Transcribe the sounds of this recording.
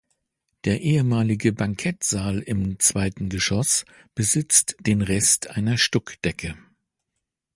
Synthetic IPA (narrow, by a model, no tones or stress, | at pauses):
d̥eːɐʔeːəmaːlɪɡəbaŋkʰɛtz̥aːlɪmt͡sv̥aɪtn̩ɡəʃɔs | b̥əzɪt͡std̥eːnʁɛstʰʔaɪnɐʃtɔkd̥ɛkʰə